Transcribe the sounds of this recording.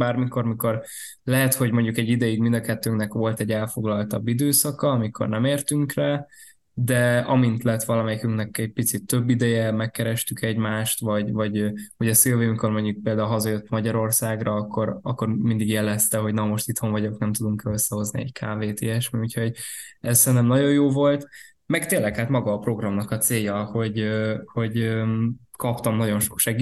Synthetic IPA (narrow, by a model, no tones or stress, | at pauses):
baːrmiko̞rmiko̞r | lɛɦɛt̪ho̞ɟmo̞ɲɟukɛɟːid̪ɛjiɡmind̪ɒkɛt̪ːøːŋknɛkʋo̞lt̪ɛɟːɛlfo̞ɡlɒlt̪ɒbːid̪øːsɒkɒɒmikʰo̞̰rnɛmeːrt̪yŋkra | d̪ɛɒmint̪lɛt̪ʋɒlɒmɛjikyŋknɛkɛɟ̚pit̪sit̪ːø̞bːid̪ɛjɛmɛkːɛɾɛʃt̪ykʰɛɟmaːʃt̪ʋɒɟvɒɟhoɟɒselvemikormoɲːuk̚peːld̪aːulɦɒzɒjøt̪ːmɒɟɒɾo̞rsaːɡrɒːkːo̞ɾɒkːo̞rmind̪iɡjɛlɛst̪ɛɦo̞ɟnɒmo̞ʃt̪it̪ho̞ɱvɒɟo̞knɛmt̪ud̪uŋkɛløsːɛho̞zniɛ̰ɟkʰaːveːt̪iɛʃmiucho̞ɟ | ɛzsɛnt̪ɛmnɒɟo̞jjoːvo̞lt̪ | mɛkt̪eːlːɛkhaːt̪mɒɡɒːpro̞ɡrɒmnɒkɒt̪seːjːɒho̞ɟøho̞ɟø | kɒpt̪ɒmnɒɟo̞nʃokʃɛɡi